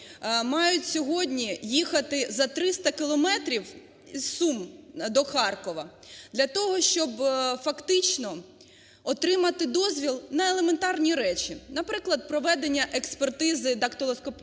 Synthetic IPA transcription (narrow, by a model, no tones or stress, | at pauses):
mɑjʊtʲsʲɔɦɔdʲnʲijixɐt̪ɪzɐt̪ɾɪst̪ɐkɪlˠɔmɛt̪ɾʲiw | isumd̪ɔxɑrkɔʋɐ | d̪lʲɐt̪ɔɦɔʃt͡ʃɔbfɐkt̪ɪt͡ʃnɔ | ɔt̪ɾɪmɐt̪ɪd̪ɔzʲʋʲilˠnɐelˠement̪ɑrnʲiɾɛt͡ʃʲinɐpɾɪklˠɐd̪̚pɾɔʋɛd̪enʲːɐʔekspert̪ɪzɪd̪ɐkt̪ɔlˠɔskɔp